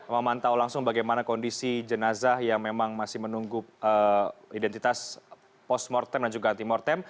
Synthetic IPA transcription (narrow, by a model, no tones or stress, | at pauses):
eməmant̪aulaŋsʊŋbaɡajmanakɔndisid͡ʒənazahjaŋmemaŋmasɪhmənuŋɡʊəidɛnt̪it̪as | pɔsmɔrt̪ɛmdand͡ʒuɡant̪imɔrt̪ɛm